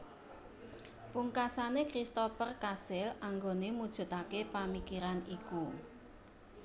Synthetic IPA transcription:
puŋkasanekɾist̪ofərkasɪlaŋɡonemud̥ʒ̥ṳt̪akepamikiɾaniku

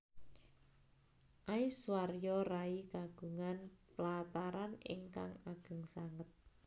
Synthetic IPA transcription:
ʔaiswarjɔraikaɡ̥ṳŋanplat̪aɾanɪ̰ŋka̰ŋaɡ̥ə̤ŋsaŋət̪̚

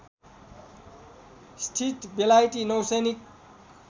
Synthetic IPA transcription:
sʈʰiʈbelajʈinʌwsʌjnik

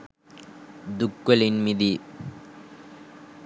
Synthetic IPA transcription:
d̪ʊkːɐlɪnmɪði

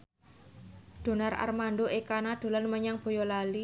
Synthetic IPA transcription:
d̥o̤nara̰rmandoʔekanad̥o̤lanməɲaŋb̥o̤jɔlali

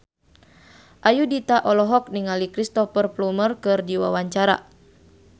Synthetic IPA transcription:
ʔajudit̪aʔɔlɔɦɔk̚niŋalikɾist̪ɔfərplumərkɨrdiwa̰waɲt͡ʃaɾa̰

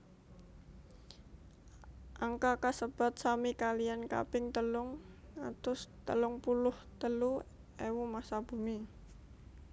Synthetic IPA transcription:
ʔaŋkakasəb̥a̤t̪̚samikalianka̰pɪŋt̪əlʊŋat̪ʊst̪əlʊŋpulʊht̪əlu | ewumasab̥ṳmi

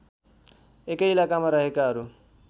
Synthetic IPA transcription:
ekeilakamaɾaɦekaːɾu

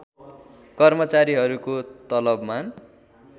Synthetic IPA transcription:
kʌrmʌt͡saɾiɦʌɾukot̪ʌlʌbman

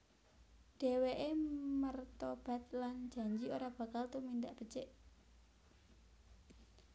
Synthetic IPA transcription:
ɖ̥eweʔemərt̪ɔb̥a̤t̪̚lan̥d͡ʒ̥a̤ɲd͡ʒioɾab̥ä̤kalt̪umind̪aʔb̥ə̥t͡ʃɛʔ

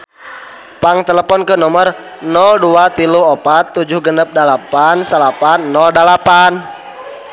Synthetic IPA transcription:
paŋt̪ɛləpɔnkənɔmər | nɔlduat̪iluhɔpat̪ːud͡ʒʊhɡənəp̚dəlapansəlapanːɔldəlapan

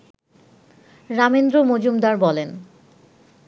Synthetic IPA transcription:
ɾamend̪ɾomod͡ʑumd̪aɾbɔlen

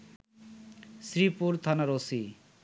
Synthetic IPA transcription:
sɾipuɾt̪ʰanaɾosi

